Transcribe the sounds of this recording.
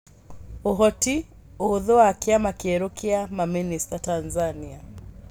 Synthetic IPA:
uɦɔti | uðɔaːkiamakiɛɾukiamaministatanzania

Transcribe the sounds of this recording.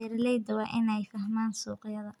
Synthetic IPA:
ɛɾɪlɛjd̪ɐwɑːʔɪnɛjfɐhmaːnsuːqjɐðɐ

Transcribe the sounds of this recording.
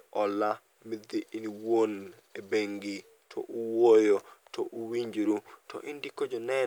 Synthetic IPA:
ɔla | mɪd̪ɪʔiniwon | ebeŋɡi | tʰɔ̰ʔuwojotɔʔuwiɲd͡ʒɾutɔ̰ʔindikod͡ʒɔnɛ

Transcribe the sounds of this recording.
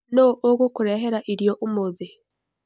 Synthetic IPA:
noʔoɣokuɾɛɦeɾaʔiɾjɔʔomoðe

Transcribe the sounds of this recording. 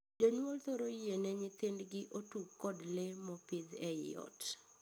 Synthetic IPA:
d͡ʒoɲwɔlt̪oɾoienɛɲɪt̪ɪndɡɪʔotukːɔdlɪmɔpɪdɛj̰ɔ̰t

